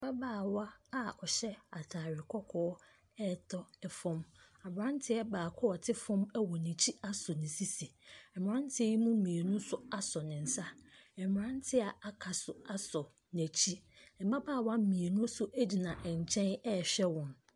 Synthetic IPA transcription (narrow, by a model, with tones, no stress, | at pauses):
ba˦baː˦˨wa˦a˦ɔ˨ɕɛ˦a˨tʰaː˨ɾɪ˨kʰɔ˦kʰɔː˦ | ɛ˦˨tʰɔ˦ɛ˨fɔ̃˦m | a˨bɾã˦n˦tʰɪ˦ɛ˦baː˨kʰɔ˦ɔ˨tʰɪ˦fɔ̃˦mɛ˦wɔ˨nɛ̃˨t͡ɕʰi˦a˦sʊ˨nɪ̃˨si˦si˨ɛ˨m˨ã˦n˦tʰɪ˦ɛ˦ji˦mũ˦mĩ˨e˨nũ˦sʊ˦a˦sɔ˨nɪ̃˨n̩˨sa˦ɛ˨m˨ã˦n˦tʰɪ˦a˨a˨kʰa˨sʊ˨a˦sɔ˨ | næ˨t͡ɕʰi˦ɛ˨ba˦baː˦˨wa˦mĩ˨e˨nũ˦sʊ˦ʔæ˦d͡ʑi˨nã˨ʔɛ˨ɲ˨t͡ɕʰɛ̃˦nɛ˦˨ɕᶣɛ˦wɔ̃˨n